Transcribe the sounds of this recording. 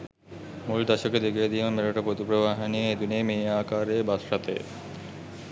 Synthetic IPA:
muld̪aʃoked̪ekʰijed̪ijomeɾaʈapɾot̪ipɾobaɦenieed̪unemeakaɾebasʃat̪ḛ

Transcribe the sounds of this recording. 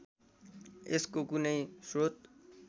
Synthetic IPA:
ɪskokuneĩsɾoːt̪

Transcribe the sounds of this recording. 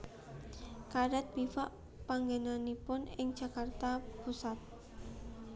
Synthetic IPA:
kaɾɛt̪̚b̥ifaʔ | paŋɡenanipʊnɪŋ̥d͡ʒ̥a̤kart̪apusat̪̚

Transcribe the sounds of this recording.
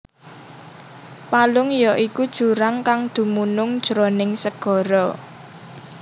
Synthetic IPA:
palʊŋjɔʔikud̥ʒ̥ṳɾaŋkaŋd̪̥ṳmunʊŋd̥ʒ̥ɾonɪŋsəɡ̥ɔ̤ɾɔ

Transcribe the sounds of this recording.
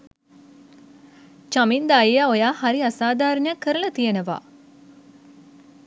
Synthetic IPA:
t͡ʃamind̪ajijaojaːhaɾiasaːd̪aːɾnjakːəɾəlɐt̪ijenəʋa̰ː

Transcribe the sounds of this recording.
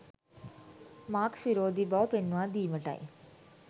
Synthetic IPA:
maːksʋiɾoːd̪ʱibawpenʋãd̪iːməʈa̰j̰

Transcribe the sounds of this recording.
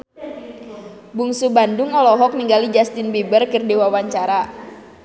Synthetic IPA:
buŋsubandʊŋɔlɔɦɔk̚niŋɡalid͡ʒast̪ɪnbibərkɨrdiwawaɲt͡ʃaɾa

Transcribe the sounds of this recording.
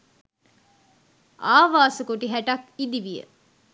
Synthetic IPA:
aːʋaːsəkoʈiɦæʈakid̪iʋijə̰

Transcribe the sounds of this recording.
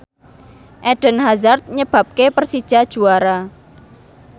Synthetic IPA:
ʔɛɖ̥ə̤nɦazart̪̚ɲəb̥ä̤p̚kepərsid̥ʒ̥a̤d̥ʒ̥uaɾa

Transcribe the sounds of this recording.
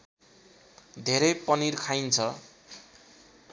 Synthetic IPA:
d̪ʱeɾʌjpʌniɾkʰajnt͡sʰʌ

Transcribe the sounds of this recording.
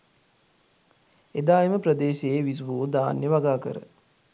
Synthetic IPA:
ed̪aːeməprəd̪eːʃeːʋis̬ʋoːd̪aːnjəʋaɡaːkə̰ɾə̰

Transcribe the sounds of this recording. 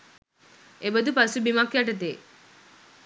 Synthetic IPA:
ebəd̪upasubimakːjaʈət̪̬e

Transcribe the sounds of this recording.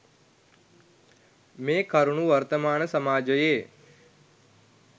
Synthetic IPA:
mẽːkʰəɾɳũːʋəɾt̪əmaːnsəmaːd͡ʒəjeː

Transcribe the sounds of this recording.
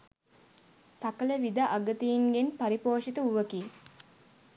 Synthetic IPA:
sakələʋid̪aʔaɡət̪ijinɡenpaɾipoːʂit̪əuʋəki

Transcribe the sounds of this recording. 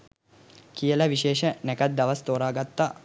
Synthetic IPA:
kijəlɐʋiʃeːʃənɛkat̪̚d̪aʋɐst̪oːɾaːɡat̪ːa

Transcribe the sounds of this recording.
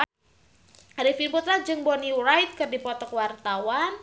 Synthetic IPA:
aɾifinput̪ɾad͡ʒɨŋbɔnirajt̪̚kɨrdipɔt̪ɔkwart̪awan

